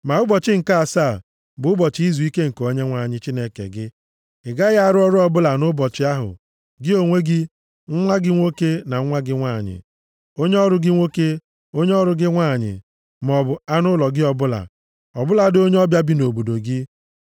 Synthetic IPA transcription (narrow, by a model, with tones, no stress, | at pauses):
ma˨ʊ˦bɔ˨t͡ʃɪ˦ŋ̩˨ka˦a˨sa˦˨ | bʊ˨ʊ˦bɔ˨t͡ʃɪ˦i˦zu˨i˦ke˦ŋ̩˨ko˦ɲe˦ŋʷa˨ɲɪ˨t͡ʃi˦ne˦kḛ˨ɡɪ˦ | ɪ˨ɡa˦ɣa˦a˦˨ɾʊ˦ɔ˦ɾʊ˦ɔ˦bʊ˦la˨nʊ˦bɔ˨t͡ʃɪ˦a˦ɦʊ̰˨ | ɡɪ˦o˨ŋʷe˦ɡɪ˦ | ŋ̩˦ŋʷa˦ɡɪ˦ŋʷo˦ke˦na˨ŋ̩˦ŋʷa˦ɡɪ˦ŋʷa˦˨ɲɪ̰˨ | o˦ɲe˦ɔ˦ɾʊ˦ɡɪ˦ŋʷo˦ke˦ | o˦ɲe˦ɔ˦ɾʊ˦ɡɪ˦ŋʷa˦˨ɲɪ̰˨ | m˨ɔ˨bʊ˨a˦nʊ˦lɔ˨ɡɪ˦ɔ˦bʊ˦la̰˨ | ɔ˨bʊ˦la˨do˦ɲe˦ɔ˦bja˦bi˦no˨bo˨do˨ɡɪ˦